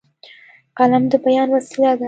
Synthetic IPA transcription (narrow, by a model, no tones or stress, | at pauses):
qalamd̪əbajɑːnwasilad̪a